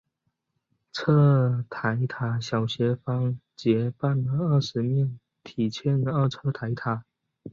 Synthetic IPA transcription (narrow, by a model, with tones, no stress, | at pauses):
t͡sʰɤ˥˩t̪ʰa˧˥ɪt̪ʰa˧˥ɕjɑ˨˩ʊɕjɛ˧˥fɑ˥ŋt͡ɕjɛ˧˥pa˥˩nlə˧ə˥˩ʂɻ̩˧˥mjɛ˥˩n | t̪ʰi˨˩t͡ɕʰjɛ˥n˧ə˥˧ʈ͡ʂʰɤ˥˧t̪ʰa˧˥ɪt̪ʰa˨˩˦